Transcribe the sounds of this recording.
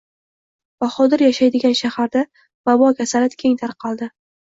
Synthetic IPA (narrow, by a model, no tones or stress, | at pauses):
b̥aχɒd̪ɪɾjaʃajd̪ɪɡʲanʃahaɾd̪a | b̥abɒkʲʰasalat̪kʲʰe̞ŋt̪ʰaɾqʰɑlˠd̪ɪ